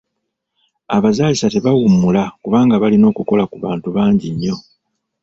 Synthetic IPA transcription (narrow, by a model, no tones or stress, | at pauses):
a̰βazaːlisate̞βawumulakuβaːŋɡaβalino̞ːkuko̞lakuβaːntuβaːɲɟiɲːo̞